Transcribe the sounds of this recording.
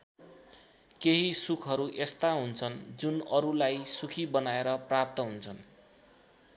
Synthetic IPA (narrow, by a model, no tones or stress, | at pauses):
keɦisukʰʌɾuʔest̪aɦunt͡sʰʌnd͡zunʌɾulajsukʰibʌnaeɾʌprap̚t̪ʌɦunt͡sʰʌn